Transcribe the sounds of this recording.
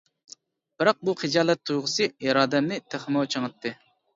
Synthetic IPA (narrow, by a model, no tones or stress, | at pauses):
b̥ɪɾɑq̚buχɨd͡ʒɑːlˠɛt̪ʰːujʁʊsɨjɑɾɑːd̪ɛmnɪt̪ʰeχmowt͡ʃʰəŋɨt̪ːɨ